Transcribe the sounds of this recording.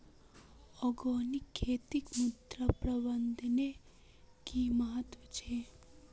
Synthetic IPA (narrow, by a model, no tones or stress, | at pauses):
ɔɡɔːnikʰːeːt̪ikmud̪ɾapɾɐbənd̪ʱne | kimɐɦət̪wɐt͡ʃʰeː